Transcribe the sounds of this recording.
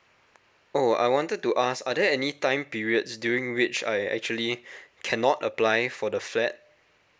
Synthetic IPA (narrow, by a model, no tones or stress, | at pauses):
oa̰jwɔ̃ntəd̚tuʔasadɛɛnitãɪ̃mpiɹiətsdjuɹĩŋwɪt͡ʃa̰jɛ̰k̚t͡ʃuəlikʰɛnɔtə̰plajfɔdəflɛt̚